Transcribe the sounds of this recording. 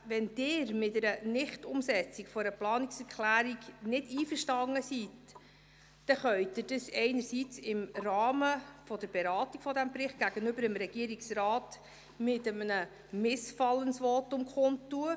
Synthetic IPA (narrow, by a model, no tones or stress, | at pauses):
ʋɛnd̥ɪːɾmɪtɛɾənɪχtʊmsɛt͡sikfɔɾəplɑːniksɛɾkʰlæːɾiɡnɪdiːfəʃtɑŋːəsit | d̥ɛχœʏtɪd̥əsɛɪnəɾsit͡sɪmɾɑːməfɔd̥əɾbɛɾɑːtiɡ̥fɔdæmbrɪχt̚ɡ̥æɡ̥ənʏbəɾəmɾɛɡ̥iəɾiksɾɑːt | mɪtəmənə | mɪsfɑlːənsʋɔtʊmkχʊntːuə